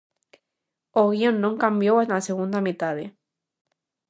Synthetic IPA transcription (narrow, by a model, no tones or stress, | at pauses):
oɣionːõŋkambjoenaseɣund̪amit̪aðe